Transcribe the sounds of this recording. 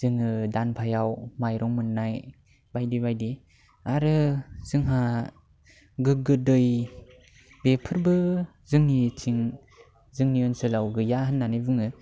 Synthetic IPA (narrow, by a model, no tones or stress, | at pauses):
z̥ɯŋɯdanpʰajawmajɾɔŋmɯnːaj | bajdibajdi | aɾɯz̥ɯŋɦa | ɡɯɡɯdɯj | bepʰɯɾbɯ | zɯŋnitʰiŋ | zɯŋniɯnsɯlawɡɯjaɦɯnːanɯjbɯŋɯ